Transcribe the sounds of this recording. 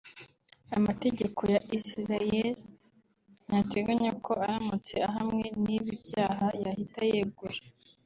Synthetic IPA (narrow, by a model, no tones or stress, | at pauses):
amate̞ɟe̞kʰo̞jaʔisiɾael | jate̞ɡaɲakʰo̞aɾamut͡se̞aɦamŋe̞niβibjaːɦajahitajeɡuɾe